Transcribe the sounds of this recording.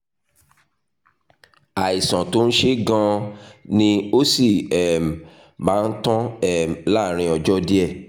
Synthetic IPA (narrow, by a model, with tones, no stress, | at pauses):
a˨i˨sã˨to˨˦ñ̩˦ʃe˦ɡã˦nĩ˧o˦si˦˨ɛ˨m˨ | mãː˨˦n̩˦tɔ̃˦ɛ˦˨m˨˦la˦˨ɾ̃ĩ˧ɔ˧d͡ʒɔ˦di˦ɛ˦˨